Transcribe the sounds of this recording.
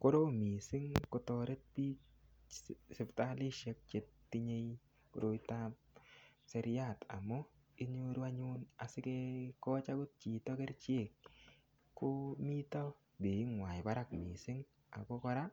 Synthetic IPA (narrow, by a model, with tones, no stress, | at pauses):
ko˦ɾo˦mi˨sɪ˦ŋko˧to˧ɾe˦t̚pi˦ | sɪ˨pta˦lɪ˦ʃe˦k̚t͡ʃe˦t̚ːi˦ɲe˦j | ko̰˨ɾo˦i˦tap | se˦ɾɪja˦˨ta̰˨mɔ˦ | i˦ɲo˦ɾu˦a˦ɲʊ˦na˨sɪ˦ke˦kɔ˦t͡ʃa˦ɡo˦tt͡ʃi˨tɔ˦kɛ˦ɾt͡ʃe˦˨kː | ʊ˦mi˦tɔ˦ | be˨i˦ŋwa˨ɪ˨ba˦ɾa˦˨kmi˨sɪ˦ŋ | a̰˨ɡɔ˦kɔ˦ɾa˦